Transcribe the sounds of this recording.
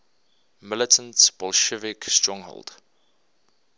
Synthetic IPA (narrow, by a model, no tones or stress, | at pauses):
mɪlətʰə̃ntb̥ɔlʃəvɪkstɹɔ̃ŋɦo̰lˠd̥